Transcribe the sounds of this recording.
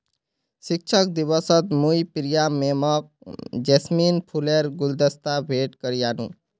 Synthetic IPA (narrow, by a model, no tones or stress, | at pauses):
sik̚t͡ʃʰək̚d̪iβʌsʌt̪mujpiɾijamemʌk̚d͡ʒesminpʰuleɾɡuld̪əst̪abʱeʈkəɾijanṵ